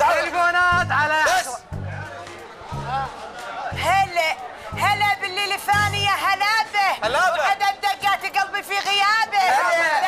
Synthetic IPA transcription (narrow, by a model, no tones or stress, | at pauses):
t̪alɪfoːnaːt̪ʕala | halhalabɪlːilfaːnɪjaɦalaːbɪlawad̪ad̪ad͡ʒat̪ɪɡabbifiɣɪjaːbɪ